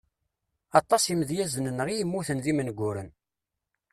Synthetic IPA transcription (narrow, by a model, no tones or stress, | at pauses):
ɑt̪ˤːɑsˤiməðjæzənənːʁijəmːuθənðimənɡʷːʊɾən